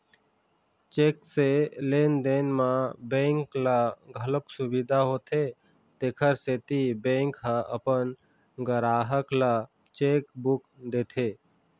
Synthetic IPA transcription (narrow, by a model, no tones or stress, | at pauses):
t͡ʃekselend̪enmãbẽŋklaɡʱələpsubid̪ʱaɦoːt̪ʰe | t̪eːkʰəɾset̪ibẽŋkɦaə̰pən | ɡəɾaːɦəkla | t͡ʃekbukd̪et̪ʰe